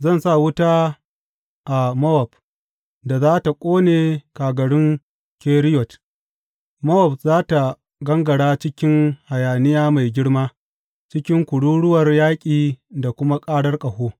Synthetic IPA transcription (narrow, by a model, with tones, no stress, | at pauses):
zɐ˦˨nsa˦˨wʊ˦taː˦ | ʔa˨mɐ˦wɐ˨b | da˨zaː˦ta˨kʷʼoː˦neː˨kaː˨ɡɐ˨ɽɪ˦ŋ | kʲeː˦ɾɪ˦jɔ˨t | mɐ˦wɔ˨b̚zaː˦ta˨ | ɡɐ˦ŋɡɐ˨ɽaː˦t͡ʃɪ˦kʲɪ˦ŋha˨jaː˨nɪ˦jaː˦ma˨jɡʲɪ˦ɽmaː˦ | t͡ʃɪ˦kʲɪ˦ŋkʷʊ˨ɽuː˦ɽʊ˦wɐ˨rjaː˦kʲʼiː˨da˨kʷʊ˦ma˦kʼaː˦ɽɐ˦rkʼɐ˨hoː˦